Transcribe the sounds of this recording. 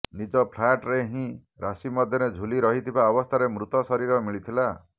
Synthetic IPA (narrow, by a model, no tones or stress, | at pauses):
nid͡ʒɔpʰlajʈɾeɦĩ | ɾasimɔd̪ʱjɔɾed͡ʒʱuliɾɔɦit̪ʰibaɔbɔst̪ʰaɾemɾut̪ɔsɔɾiɾɔmiɭit̪ʰila